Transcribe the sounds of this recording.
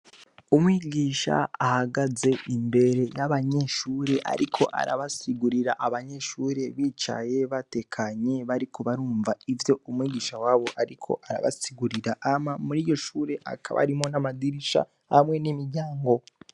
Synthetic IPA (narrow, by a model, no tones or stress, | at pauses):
umwiːɟiːʃa̰ahaɡaze̞ʔimbe̞ɾe̞jaβaɲe̞ʃuːɾe̞ʔa̰ɾikʰo̞̰ʔa̰ɾa̰βasiɡuɾiɾaʔaβaɲe̞ʃuːɾe̞βiːt͡ʃa̰je̞βate̞kʰaɲe̞βaɾikʰo̞βaɾuːɱvaivjo̞umwiːɟiːʃawaːβo̞ʔaɾikʰo̞̰ʔaɾa̰βa̰siɡuɾiɾaʔamamuɾiːjo̞ʃuːɾe̞ʔa̰kʰaβa̰ɾimo̞namadiɾiʃa̰ | hamwe̞nimiɾɟaːŋɡo̞